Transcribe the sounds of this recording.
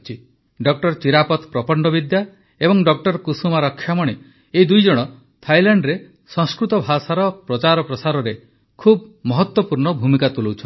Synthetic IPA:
t͡ʃʰi | ɖɔk̚ʈɔɾt͡ʃiɾapɔt̪pɾɔpɔɳɖɔbid̪ja | ebɔŋɖɔk̚ʈɔɾkusumaɾɔkʰːjamɔɽ̃e | eid̪ujd͡ʒɔɽ̃ɔ | t̪ʰajlaɳɖɾe | sɔ̃ŋskɾut̪ɔbʱasaɾɔpɾɔt͡ʃaɾɔpɾɔsaɾɔɾe | kʰubmɔɦɔt̪wɔpuɾɳɔbʱumikat̪ulowt͡ʃʰɔ

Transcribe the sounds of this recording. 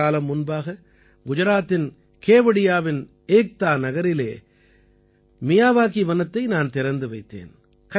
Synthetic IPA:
aːlɐmːʊnbaːɣɐ | ɡʊd͡ʒɐɾaːt̪ːɪn | keːʋɐɽɪjaːʋɪn | eːk̚t̪aːnɐɣɐɾɪleː | mɪjaːʋaːkiʋɐnɐt̪ːɐɪnaːnt̪ɪɾɐnd̪ɯʋɐɪt̪ːḛːn | kɐ

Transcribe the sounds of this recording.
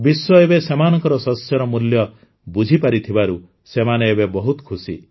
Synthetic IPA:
biswɔebesemanɔŋkɔɾɔsɔsjɔɾɔmuljɔ | bud͡ʒʱipaɾit̪ʰibaɾu | semaneːbebɔɦut̪kʰusḭ

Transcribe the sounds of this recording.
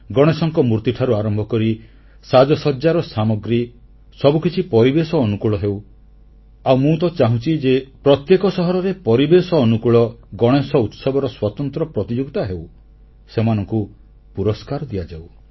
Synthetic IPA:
ɡɔɽ̃esɔŋkɔmuɾt̪iʈʰaɾuaɾɔmbʱɔkɔɾi | sad͡ʒɔsɔd͡ʒaɾɔsamɔɡɾi | sɔbukit͡ʃʰipɔɾibesɔːnukuɭɔɦew | awmũt̪ɔt͡ʃaɦũt͡ʃid͡ʒepɾɔt̪jekɔsɔɦɔɾɔɾepɔɾibesɔːnukuɭɔɡɔɽ̃esɔut̪sɔbɔɾɔswat̪ɔnt̪ɾɔpɾɔt̪id͡ʒuɡt̪aɦew | semanɔŋku | puɾɔskaɾɔd̪iad͡ʒaw

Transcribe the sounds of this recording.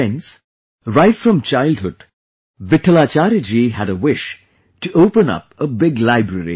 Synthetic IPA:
ɛ̃ns | ɹaɪʈfɾʌ̃mt͡ʃaɪldɦʊɖ̥ | ʋɪʈʰəlaːt͡ʃaːɾd͡ʒiɦæɾəwɪʃ | ʈuʔoʊpə̃nʌ̰pəbɪɡlaɪbɾəɾḭ

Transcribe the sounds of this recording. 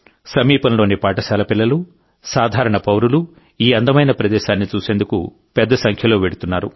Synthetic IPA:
sɐmiːpɐnɐlo̞ːnipaːʈɐʃaːlɐpilːɐlu | saːd̪ʱaːɾɐɳɐpɐwɾulu | iːɐnd̪ɐmɐjnɐpɾɐd̪ɛːʃaːnːit͡ʃuːse̞ːnd̪ukṵ | pɛd̪ːɐsɐŋkʰjɐlo̞ːʋeɽut̪unːaːɾu

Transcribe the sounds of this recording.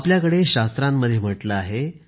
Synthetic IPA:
apljakəɽeɕast̪ɾamːəd̪ʱːjem̤əʈləaɦe

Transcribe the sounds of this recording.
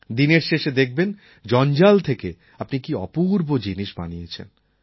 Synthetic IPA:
d̪ineɾʃeʃed̪ek̚ʰben | d͡ʑɔnd͡ʑalt̪ʰeke | apnikiɔpuɾbod͡ʑiniʃba̰nijet͡ɕʰḛn

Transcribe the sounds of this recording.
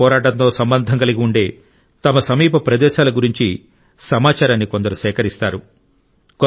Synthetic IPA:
ɔːɾaːʈɐnt̪o̞ːsɐmbɐnd̪ʱɐŋkɐliɡiuɳɖeː | t̪ɐmɐsɐmiːpɐpɾɐd̪ɛːʃaːlɐɡuɾiɲt͡ʃi | sɐmaːt͡ʃaːɾaːnːikond̪ɐɾusɛːkɐɾist̪aːɾu | k

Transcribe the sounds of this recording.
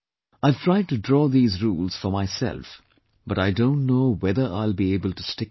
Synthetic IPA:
aɪv̥tʰɹaɪɖ̚ʈuɖɾɔːðiːzɾuːlz̥fɔmaɪsɛ̰lf | b̥ʌɾaɪdõʊ̃ntnoːwɛðə˞a̰ɪlbieːbəlʈustɪ

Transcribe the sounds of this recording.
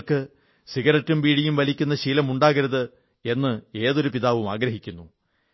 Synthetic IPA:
kɨ | siɣɐɾɐtːumʋiːɽijumʋɐlikʲːunːɐɕilɐmuɳɖaːɣɐɾɐðɨ | e̞nːɨe̞ːðo̞ɾupiðaːʋumaːɡɾɐɦikʲːunːu

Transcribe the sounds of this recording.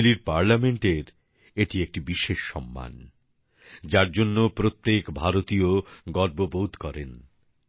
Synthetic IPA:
liɾpaɾlameɳʈeɾ | eʈiek̚ʈibiʃeʃːɔmːa̰n | d͡ʑaɾd͡ʑonːopɾot̪ːekbʱaɾot̪ioɡɔɾbobod̪kɔɾen

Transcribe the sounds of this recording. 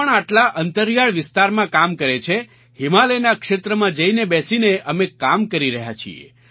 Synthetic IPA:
ɳaʈlaʔənt̪əɾjaɭʋɪst̪aɾmãkamkəɾet͡ʃʰe | himalenakʃet̪ɾəmãd͡ʒəinebɛsineʔəmẽkamkəɾiɾəɦja̰t͡ʃʰḭḛ

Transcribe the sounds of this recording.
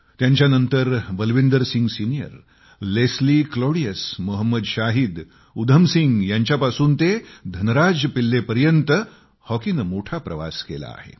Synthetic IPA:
t̪jaɲt͡ɕjanənt̪əɾbəlʋind̪əɾsiŋɡsinijə̰ɾ | leslikloɽijəsmoɦəmːəd̪ɕaɦiːd̪ | ud̪ʱəmsiŋɡjaɲt͡ɕjapasuːnt̪ed̪ʱənɾad͡zpilːepəɾjənt̪ə | hɔkinmoʈʰapɾəʋa̰skela̰ːhḛ

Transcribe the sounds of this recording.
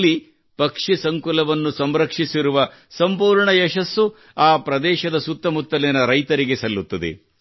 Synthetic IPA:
lːi | pɐkʂisɐŋkulɐʋɐnːusɐmɾɐkʂisiɾuʋɐ | sɐmpuːɾɳɐjɛʃɐsːu | aːpɾɐd̪ɛːʃɐd̪ɐsut̪ːɐmut̪ːɐlɛnɐɾɐjt̪ɐɾiɡesɐlːut̪ːɐd̪ḛ

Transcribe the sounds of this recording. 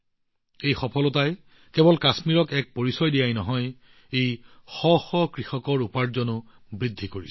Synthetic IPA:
ejxɔpʰɔlɔtaj | kɛbɔlkasmiɹɔkɛk̚poɹisɔjdijajnɔɦɔj | ejxɔxɔkɹixɔkɔɹupaɹzɔnʊ | bɹid̪ʱːikoɹis

